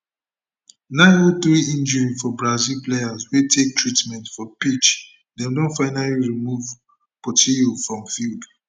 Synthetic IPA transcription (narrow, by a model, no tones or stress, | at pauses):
nãɪ̃noθɹiĩnd͡ʒəɹifɔbɹazilplejazwetʰek̚tʰɹitmɛ̃ntfɔpit͡ʃ | dɛ̃mdõnfaɪnaliɹimuv | pɔtʰiofɹɔ̃mfild